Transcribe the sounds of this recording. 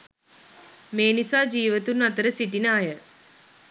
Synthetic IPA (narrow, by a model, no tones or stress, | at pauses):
meːnisaːd͡ʒiːʋɐt̪ːunmɐt̪ːɐɾɐsiʈːinaːjɐ